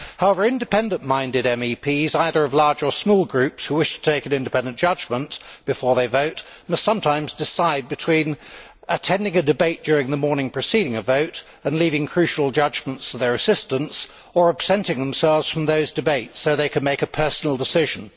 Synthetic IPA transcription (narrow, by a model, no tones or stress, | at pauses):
haʊɛvə˞ɪ̃ndɨpʰɛ̃ndə̃nmãɪ̃ndɨɾɛ̃mipʰizaɪðə˞ʌvlɑɹd͡ʒə˞smɔlˠɡɹʉpshʉwɪʃtʰə̥tʰeɪkɨ̃nɪ̃ndɨpʰɛ̃ndɨ̃nd̥ʒ̥ʌd͡ʒmə̃nb̥ɨfɔɹðeɪvoʊtmʌstsʌ̃mtʰãɪ̃mzdɨsaɪd̚bɨtʰw̥ĩn | ɨtʰɛ̃ndɪ̃ŋɨdɨbeɪt̚d̥ʊɹɪ̃ŋðəmɔɹnɪ̃ŋpʰɹ̥ɨsiɾɪ̃ŋɨvoʊɾ | ɨ̃nlivɪ̃ŋkʰɹ̥ʉʃl̩ˠd͡ʒʌd͡ʒmə̃ntstʰəðə˞ɨsɪstə̃ns | ə˞əb̥sɛ̃ntɪ̃ŋðə̃m̩sɛlˠvz̥fɹʌ̃mðoʊzdɨbeɪtsoʊðeɪkʰɨd̚meɪkɨpʰɜ˞sn̩l̩ˠdəsɪʒɨ̃n